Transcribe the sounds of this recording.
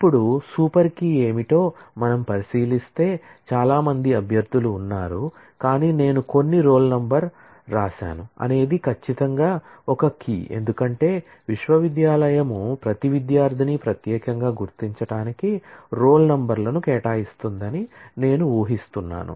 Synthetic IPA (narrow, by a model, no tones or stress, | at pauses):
ipːuɽusuːpɐɾkie̞ːmiʈ̪o̞ːmɐnɐmpɐɾisiːlist̪e̞ːt͡ʃaːlaːmɐnd̪iɐbʱjɐɾd̪ʱuluːnːaːɾu | kaːniːne̞ːnuko̞nːiɾo̞ːlnɐmbɐɾː | aːʃa̰ːnuɐ̰ne̞ːd̪ikʰɐt͡ʃːit̪ɐŋɡaːɔkɐkḭːe̞̰nd̪ukɐɳʈe̞ː | ʋiʃʋɐʋid̪jaːlɐjɐmupɾɐt̪iʋid̪jaːɾd̪ʱinipɾɐt̪jɛːkɐŋɡaːɡuɾt̪iɲt͡ʃɐɽaːnikiɾo̞ːlnɐmbɐɾlɐnukɛːʈaːjist̪und̪ɐnine̞ːnuuːɦist̪unːa̰ːnṵ